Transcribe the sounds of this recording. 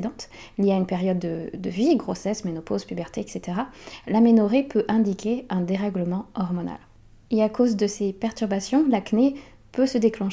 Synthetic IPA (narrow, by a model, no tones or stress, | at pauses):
d̪ɑ̃t̪iljiaynpeʁjɔd̪ːəd̪əviɡʁosɛsmenɔpozpybɛʁt̪ʰeɛkset̪eʁalamenɔʁepʰøʔɛ̃d̪ikʲeɛ̃d̪eʁɛɡləmɑ̃ɔʁmɔna̰l | eakozd̪əsepɛʁt̪yʁbasjɔ̃lakne | pøsəd̪eklɑ̃ʃ